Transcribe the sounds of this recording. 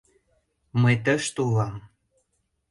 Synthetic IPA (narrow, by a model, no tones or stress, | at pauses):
məjt̪̬əʃt̪ulɑm